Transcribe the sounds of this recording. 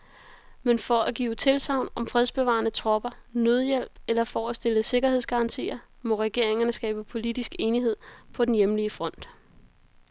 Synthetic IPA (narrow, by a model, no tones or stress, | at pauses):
menfɒ̽æɡ̥ḭːʊt͡sʰe̝lsɑ̈ʊ̰nɒ̽mfʁɛð̞ˠsb̥e̝ʋɑ̈nət͡sʰʁɒ̽b̥ɐnøð̞ˠjel̰b̥elɐfɒːsd̥e̝ləse̝ɡ̥ɐheð̞̰ˠsɡ̥ɑ̈ʁɑ̈nt͡sʰḭːɐ | mɒ̽ʁɛɡ̥e̝ɐ̰eŋɐnəsɡ̥ɛ̰ːb̥əpʰo̝lid̥isɡ̥e̝ːniɦe̝ð̞̰ˠpʰɒ̽d̥enjemliəfʁɒ̽n̰d̥